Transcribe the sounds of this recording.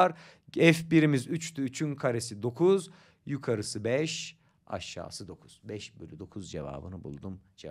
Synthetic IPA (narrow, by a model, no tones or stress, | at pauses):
aɾ | ɛfbiɾimizyt͡ʃt̪ʰyːt͡ʃʰynkʰaɾesid̪o̞kʰuz | jukʰaɾɯsɯbɛʃ | a̰ʃːa̰ːsɯd̪o̞kʰuz̥bɛʃbølʲyd̪o̞kʰuzd͡ʒḛva̰ːbɯ̰nɯbṵlˠd̪umd͡ʒ